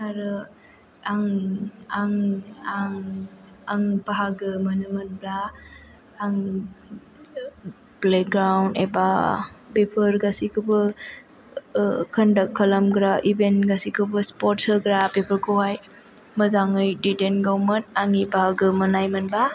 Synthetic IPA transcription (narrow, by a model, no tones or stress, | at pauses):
aɾɯ | aŋaŋaŋ | aŋbaɦaɡɯmənɯmɯnblaː | ŋ | blek̚ɡɾawndebabepʰəɾɡasikʰɯbɯ | kʰəndakʰːəlamɡɾaʔibentɡasikʰɯbɯspɔɾtsɯɡɾabepʰəɾkʰɯwaj | məzaŋɯjdidenɡawmɯnaŋibaɦaɡɯmɯnajmɯnba